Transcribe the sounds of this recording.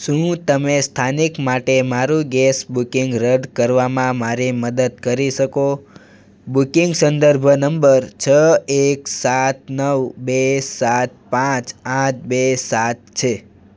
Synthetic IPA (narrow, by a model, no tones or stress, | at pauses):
ʃũt̪əmest̪ʰanikmaʈemaɾũɡɛsbukiŋɡɾəɖkəɾʋamãmaɾiməd̪əd̪̚kəɾiʃəko | bukiŋɡsə̃nd̪əɾbʱənəmbəɾt͡ʃʰəeksat̪̚nəʋbesat̪̚pãt͡ʃãt̪̚besat̪̚t͡ʃʰe